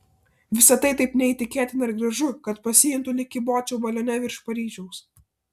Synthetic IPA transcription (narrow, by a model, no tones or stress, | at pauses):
ʋʲɪsɐt̪ɐɪt̪ɐɪpnʲɛiːˑt̪ʲɪkʲeːt̪ʲɪnɐɪɾɡɾɐʒʊkɐt̪pɐsʲɪjɪnt̪ʊlʲɪkʲɪboːt͡ʃʲɛʊʋɐlʲoːnʲɛʋʲɪɾʃpɐɾʲiːʒʲɛʊs